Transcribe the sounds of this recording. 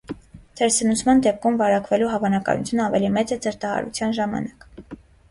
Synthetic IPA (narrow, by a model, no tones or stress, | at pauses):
t̪ʰɛɾsənut͡sʰmɑnd̪ɛp̚kʰumvɑɾɑkvɛluɦɑvɑnɑkɑ̰nṵt͡sʰjunəɑvɛlimɛt͡səd͡zəɾt̪ɑhɑ̰ɾṵt͡sʰjɑnʒɑmɑ̰nɑk